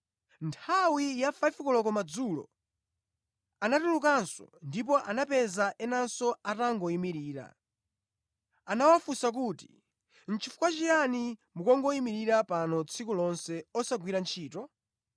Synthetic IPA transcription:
ntʰawijafaifkɔlɔkɔmad͡zulɔ̰ | anatulukansɔ̰ndip̬ɔʔanapɛzaʔɛnansɔataŋɡɔimiɾiːɾa̰ | anawafusak̬uːti | n̩t͡ʃʰifu̥kwat͡ʃijanimukɔŋɡɔimiɾiɾapanɔt͡sʰikulɔnsɛɔsaɡwiɾant͡ʃʰiːtɔ

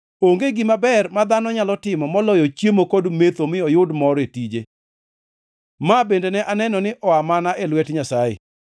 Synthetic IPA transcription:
oŋɡeɡɪmabɛrmad̪anɔɲalɔtɪmɔmɔlɔjɔt͡ʃjemokodmet̪omɪɔjʊdmɔɾetid͡ʒe | mabendenɛʔanɛnɔnɪʔɔamanaʔelwɛtɲasajḛ

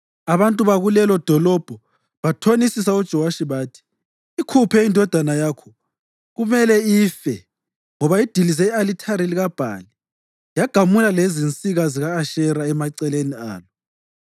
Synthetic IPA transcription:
aβantʼuβaɣulɛlɔd̥ʱɔlɔb̥ʱɔ | βatʰonisisaud̥ʒ̥ʱɔwaʃiβaːtʰi̥ː | kʰupʰɛindʱɔd̥ʱanajaːkʰɔ | ɣumɛlɛiːfɛ | ŋɔβaid̥ʱilizɛialitʰaɾiliɣab̥ʱa̰li | jaɡ̥ʱamulalezint͡sʼiɣaziɣaːʃɛɾaɛmaǀɛlenia̰ːlɔ

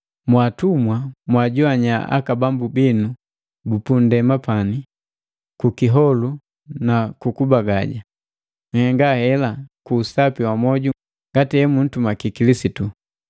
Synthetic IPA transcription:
mwatumwamwaɟɔaɲaa̰kabambubinu | bupundɛmapani | kukiɦɔlu | nakukubaɡaɟa | ŋ̩hɛŋɡahɛlakuːsapiwamɔɟu | ŋɡatiɛmun̩tumakikilisitu

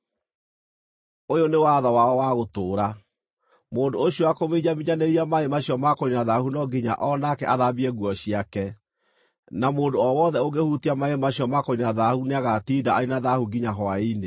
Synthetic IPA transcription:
ojonewaðɔwaɔwaɣotoːɾa | moːndoːɕowakomeiɲamiɲaneɾiamaemaɕiɔmakoinaðahunɔɡiɲa̰ʔɔnakɛʔaðabiɛɣwɔɕiakɛ | namoːndoɔwɔðɛoɡehutiamaemaɕjɔmakoinaðahuneaɣatidaainaðahuɡiɲaɦɔaine

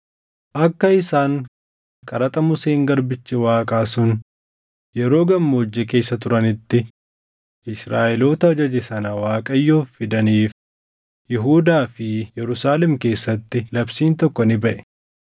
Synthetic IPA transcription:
ʔɐkːɐɪsaːŋ | kʼɐɾɐt̪ʼɐmʊseːŋɡɐɾbɪt͡ʃːɛwaːkʼaːsʊn | jɛɾo̞ːɡɐmːoːd͡ʒːɛke̞ːsːɐt̪ʊɾɐnɪt̪ːɪ | ʔɪsɾaːʔɛlo̞ːt̪ɐd͡ʒɐd͡ʒɛsɐnɐwaːkʼɐjːoːfːɪd̪ɐniːf | jɛɦuːd̪aːfɪjɛɾʊsaːlɛmke̞ːsːɐt̪ːɪlɐbsiːnt̪ɔkːɔnɪbɐʔɛ̥

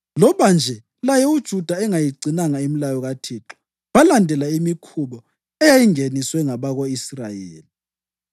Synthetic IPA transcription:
lɔβand͡ʒʱɛ | lajɛud̥ʒ̥ʱud̥ʱaɛŋajiɡ͡ǀinaŋaimilajɔɣatʰiǁɔ̥ | βalandʱɛlaimikʰuβɔ | ɛjajiŋeniswɛŋaβaɣoisra̰jeːli

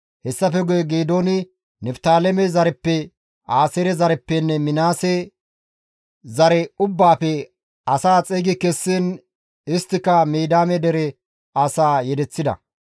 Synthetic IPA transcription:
hɛsːɐfɛɡʊjɛɡeːd̪oːnɪ | nɛft̪aːlɛmɛzɐɾɛpːɛ | aːsɛɾɛzɐɾɛpːɛnːɛmɪnaːsɛ | zɐɾɛʊbːaːpɛ | ɐsaːt͡sʼeːɡɪkɛsːin | ɪst̪ːɪkːɐmeːd̪aːmɛd̪ɛɾɛ | asaːjɛd̪ɛt͡sːɪd̪ɐ̰

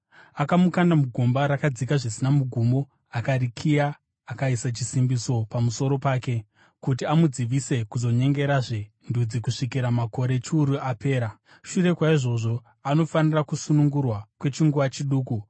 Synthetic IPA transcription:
akamukandamuɡʱumbaɾakad͡zikaʐisinamuɡʱumo̞ | akaɾikʰijaː | kaisat͡ʃisimbiso̞pamuso̞ɾo̞paːke̞ | kut̬iamud͡ziʋise̞kuzo̞ɲe̞ŋɡe̞ɾaʐe | ndud͡zikuʂikiɾamako̞ɾe̞t͡ʃiuɾuʔape̞ːɾa | ʃure̞kwaiʐo̞ʐo̞ | ano̞fanirakusunuŋɡurwakwe̞t͡ʃiŋɡuʋat͡ʃiɗuːku

